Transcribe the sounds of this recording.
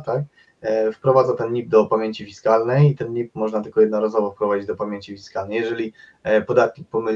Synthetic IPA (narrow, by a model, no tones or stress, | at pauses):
t̪ak | fpɾɔvad̪zat̪ɛnɲip̚d̪ɔpamʲeɲt͡ɕifʲiskalnɛjit̪ɛnɲip̚mɔʐnat̪ɘlkɔjɛd̪nɔɾazɔvɔfpɾɔvad͡ʑid͡ʑd̪ɔpamʲjeɲt͡ɕifʲiskalnɛjɛʐɛlʲi | pɔd̪at̪̚kʲipɔmɘ